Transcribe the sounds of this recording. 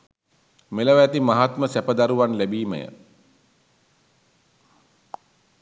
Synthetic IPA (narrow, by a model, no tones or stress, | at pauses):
meləʋæt̪imaɦat̪məsæpəd̪aɾuʋanlæbiːmə̰jə̰